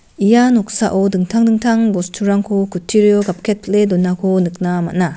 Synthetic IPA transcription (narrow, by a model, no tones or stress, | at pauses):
ijanɔk̚saʔodɯŋtʰaŋdɯŋtʰaŋbɔstʰuɾaŋkʰokutʰiɾijɔɡap̚kʰet̚ledɔnːakʰonɯk̚nama̰t̚na